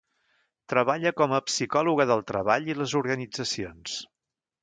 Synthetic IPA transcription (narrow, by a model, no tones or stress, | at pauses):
t̪ɾəβaʎəkɔməpsikɔluɣəðəlˠt̪ɾəβaʎiləzuɾɣənid͡zəsions